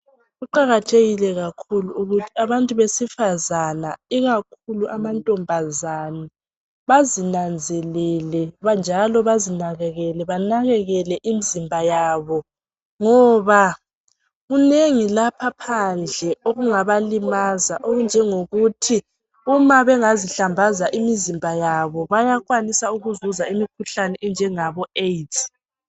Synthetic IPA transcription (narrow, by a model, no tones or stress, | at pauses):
ɣuǃaɣatʰeɣilɛɣakʰuluuɣutʰi̥aβantʼuβesifazana̰iɣakʰuluʔamantʼɔmbʱazana | βazinand͡zʱɛlɛlɛβand͡ʒʱalɔβazinaɣɛɣɛlɛβanaɣɛɣɛlɛʔimizimbʱajaːβɔ | ŋɔβa | ɣuneŋilapʰapʰand͡ɮʱɛʔoɣuŋaβalimazaʔoɣund͡ʒʱɛŋoɣutʰi | umaβɛŋaziɬambʱazaʔimizimbʱajaβɔβajaɣwanisauɣuzuzaimikʰuɬanɛʔɛnd͡ʒʱɛŋaβɔet